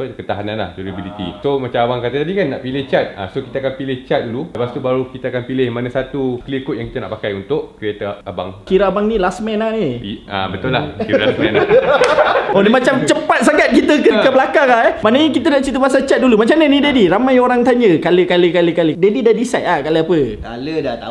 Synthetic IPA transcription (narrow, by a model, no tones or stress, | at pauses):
skət̪aɦananla̰hd͡ʒunibilit̪ḭsomat͡ʃamabaŋkat̪ət̪adikanːa̰ʔpilɪht͡ʃat̪a̰soki̥t̪akanpilɪht͡ʃat̪̚dululəpast̪ubaɾukit̪aakanpilɪhmanãsat̪ukəlikʊt̪̚jaŋki̥t̪anaʔpakajunt̪ʊʔkɾiet̪əaba̰ŋkiɾaabaŋnĩlasmɛnania̰bət̪ʊlːakilasmɛ̰̃n | onimat͡ʃamt͡ʃəpat̪̚saɡat̪̚kit̪əkəkəbəlakaŋlamanaɲakit̪ənaʔt͡ʃit̪əbasat͡ʃat̪̚dulumat͡ʃamɲənidediɾamajoɾaŋt̪aɲəkaləkaləkaləkalədedidadisat̪̚lahkaləapəkalədat̪a